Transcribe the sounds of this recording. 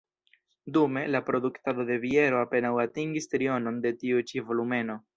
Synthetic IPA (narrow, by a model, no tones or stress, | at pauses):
dume̞lapɾo̞duktado̞de̞vie̞ɾo̞ape̞nawatiŋɡistɾio̞no̞nde̞tiut͡ʃivo̞lume̞no̞